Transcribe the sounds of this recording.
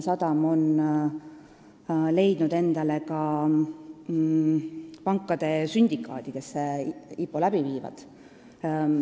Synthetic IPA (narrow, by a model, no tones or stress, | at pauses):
sɑd̪̥ɑmo̞n | le̞jd̪̥nud̪̥e̞nd̪̥ɑle̞kɑ | pɑŋkːˑɑd̪̥e̞synʲd̪̥ʲikːˑɑːd̪̥ike̞sːeipːˑolæb̥iviːvɑ̰d̪̥